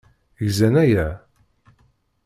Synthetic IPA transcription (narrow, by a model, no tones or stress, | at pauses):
ʝzænæjæ